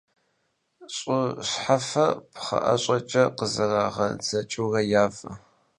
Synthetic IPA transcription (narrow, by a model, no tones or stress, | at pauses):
ɕʼʊɕħafɐpʰχɐ̰ʔɐ̰ɕʼɐt͡ʃʼɐqəzɨraːʁɐd͡zɐt͡ʃʼuɣɐjaːfɐ̰